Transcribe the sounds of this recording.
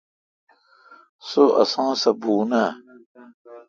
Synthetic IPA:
soʔɐ̰sãːsɐbuːna

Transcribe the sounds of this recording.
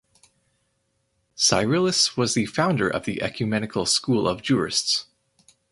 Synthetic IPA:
sa̰ɪɹɪlˠɨswʌzðɨfãʊ̃ndə˞ʔʌ̰vðiʔɛ̰kʰjɨmɛnɨkʰl̩ˠskulˠʌvd͡ʒʊɹɨ̰sts

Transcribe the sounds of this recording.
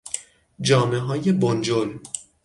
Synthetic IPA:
d͡ʒɒːmeɦɒːjebond͡ʒol

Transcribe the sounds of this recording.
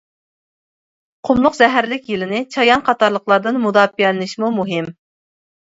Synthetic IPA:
qʰomlˠʊqzɛɦæɾlɪkʲjilɪnɪt͡ʃʰɑjɑnqʰɑt̪ɑɾlˠəqlˠɑɾd̪ɨnmud̪ɑːpijɛlɪnɪʃmumuɦɪm

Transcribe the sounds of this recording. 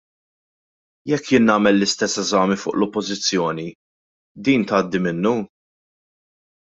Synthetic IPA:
jɛkːjɪnːɐːmɛlːɪst̪ɛsːɛzɐːmifʊ̰ːʔlɔpːɔzɪt͡sːjɔːni | d̪iːnt̪ɐːd̪ːimɪnːu

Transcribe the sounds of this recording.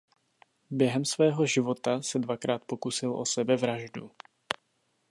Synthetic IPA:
bjɛɦɛmsvɛːɦo̞ʒɪvo̞t̪asɛdvakɾaːt̪po̞kusɪlʔo̞sɛbɛvɾaʒdṵ

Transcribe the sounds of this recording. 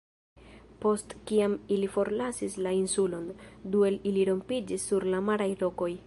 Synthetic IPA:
po̞stkiamilifo̞ɾlasislainsulo̞ndue̞liliɾo̞mpid͡ʒisːuɾlamaɾajlo̞ko̞j

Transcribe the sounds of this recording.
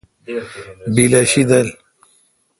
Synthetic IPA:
bilɐɕid̪ɐl

